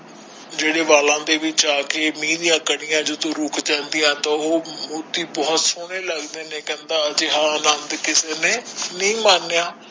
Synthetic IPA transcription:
d͡ʒeːɽeːʋaːlãːd̪eːʋɪt͡ʃaːkeːmĩːd̪ɪjãːkəɽɪjãːd͡ʒʊt̪õːɾʊkʰd͡ʒɛ̃ːnd̪ɪjãːt̪ãːoːmut̪iːbɔːt̪sʊɽ̃eːləɡd̪eːnẽːkɛ̃ːnd̪aːəd͡ʒeɦãːənənd̪kɪseːneːnĩːmaːnːejaː

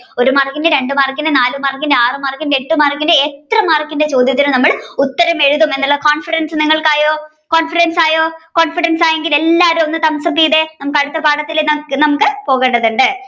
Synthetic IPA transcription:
o̞ɾumarkːindeɾe̞ɳɖɨmaːrkːindenaːlumaːrkːindeaːrɨmaːrkːineʈːɨmaːrkːindeet̪rɐmaːrkʲːinde̞t͡ɕo̞ːd̪ʱjɐt̪ːinumnɐmːɐɭut̪ːɐɾɐme̞ɻuðɐme̞nːuɭːɐkoːnfiɾɐnsɨniŋːɐɭkaːjoː | koːnfiɽensaːjoːkoːɳfiɽensaːjeŋɡile̞lːaːɐɾumonːɨt̪ɐmsɐp̬ːijðe̞nɐmukːɐɻut̪ːɐpaːɽɐt̪ːileɐnɐmukːɨpo̞ːɣeːɳɖɐðuɳɖɨ

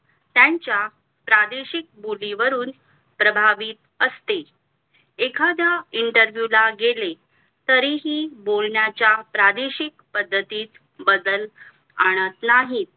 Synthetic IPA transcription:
t̪jaɲt͡ɕja | pɾad̪eɕik̚boliʋəɾuːn | pɾəbʱaʋiːt̪ | əst̪e | ekʰad̪jaiɳʈəɾʋjulaɡele | t̪əɾiɦiːbolɳjat͡ɕjapɾad̪eɕikpəd̪ʱːət̪iːt͡s | bəd̪əl | a̰ɽ̃ət̪naɦiːt̪̚

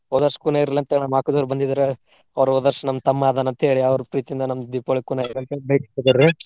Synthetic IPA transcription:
ɔd̪ɐɾʂkuːnaiɾlɐnt̪enamaːkud̪ɐʋɾubɐnd̪id̪ɐɾe | ɐʋɾoːd̪ɐɾʂɐnɐmːt̪ɐmːaːd̪anɐnt̪ɐeːɭiɐʋɐɾupɾiːt͡ʃind̪ɐnɐmd̪ipoɭikuːnaːjiɾɐnt̪ebɐjkiid̪ɐi

